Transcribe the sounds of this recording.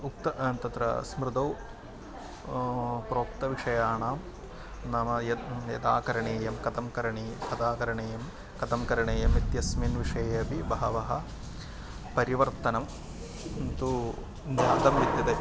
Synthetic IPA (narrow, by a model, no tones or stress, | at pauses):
ukt̪ɐt̪ɐt̪ɾɐ̰smɾɪd̪ɐw | pɾoːk̚t̪ɐʋiʂɐjaːɳaːm | naːmɐjɐjɐ̰d̪aːkɐɾɐɳeːjɐmkɐt̪ɐmkɐɾɐɳeːkɐd̪aːkɐɾɐɳeːjɐm | kɐt̪ɐmkɐɾɐɳeːjɐmit̪jɐsminʋiʂɐjɐɐpibɐɦɐʋɐɦɐ | pɐɾiʋɐɾt̪ɐnɐm | nt̪u | njaːd̪ɐmʋit̪jɐd̪e